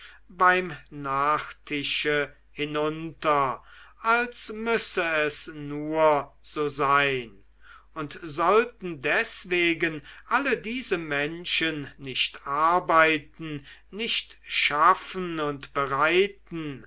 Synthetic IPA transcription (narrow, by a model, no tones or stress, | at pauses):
baɪmnaːχtʰɪʃə | hɪnʊntɐʔalsmʏsəɛsnuːɐz̥oːzaɪn | ʊntzɔltn̩dɛsv̥eːɡənʔalədiːzəmɛnʃənːɪʃtʔaɐbaɪtn̩nɪʃtʃafən̩ʊntb̥əʁaɪtn̩